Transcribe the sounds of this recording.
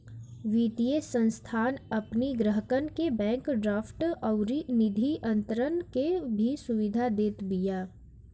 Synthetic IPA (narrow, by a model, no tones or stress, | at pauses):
ʋiːʈijesːə̃nst̪ʰaːnɐpniɡɾəɦəkənkebɛ̃ːŋkɖɾaːfʈɔʊɾinɪd̪ʱiʔɐ̃nt̪əɾənkebʱisʊʋɪd̪ʱad̪eːt̪bijaː